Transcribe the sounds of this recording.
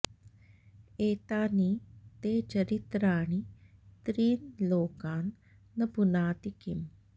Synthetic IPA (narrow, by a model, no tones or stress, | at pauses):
eːt̪aːnit̪eːt͡ʃɐɾit̪ɾaːɳit̪ɾiːnloːkaːnː | ɐbʱunaːt̪ikim